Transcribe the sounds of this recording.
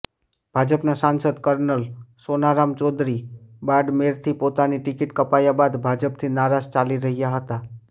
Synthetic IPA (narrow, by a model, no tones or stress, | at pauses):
b̥ʱad͡ʒəpnasãnsəd̪kəɾnəlsonaɾamt͡ʃɔd̪ɾibaɖmeɾt̪ʰipot̪aniʈɪkɪʈkəpajabad̪bʱad͡ʒəp̚t̪ʰinaɾad͡ʒt͡ʃaliɾəɦijaɦət̪a